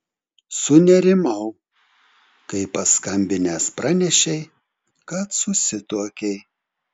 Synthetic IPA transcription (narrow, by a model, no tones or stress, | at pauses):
sʊnʲɛɾʲɪmɐʊ | kɐɪpɐskɐmʲbʲɪnʲɛspɾɑːnʲɛʃʲɛɪ | kɐt̪sʊsʲɪt̪uɔkʲɛɪ